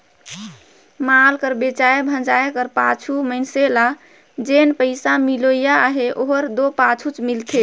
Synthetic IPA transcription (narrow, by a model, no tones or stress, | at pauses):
malkəɾbet͡ʃaebʱənd͡ʒaekəɾpat͡ʃʰuməjnsela | d͡ʒenpəɪsamilojaɦeʔoɦəɾd̪opat͡ʃʰut͡ʃmilt̪ʰe